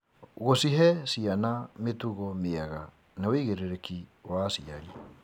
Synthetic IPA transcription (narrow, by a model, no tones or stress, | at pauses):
ɣosiɦɛsianametuɣɔmeaɣa | naweiɣeɾeɾekiwasiaɾi